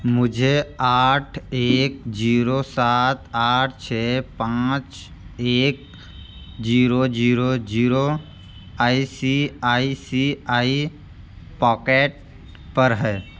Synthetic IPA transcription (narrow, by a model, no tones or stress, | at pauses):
mʊd͡ʒʱeaːʈʰeːk̚d͡ʒiːɾosaːt̪aːʈʰt͡ʃʰɛːpãːt͡ʃ | eːk̚ | d͡ʒiːɾod͡ʒiːɾod͡ʒiːɾo | aːisiaːisiːaːi | pɔːkeːʈ̚ | pɐɾɦɛː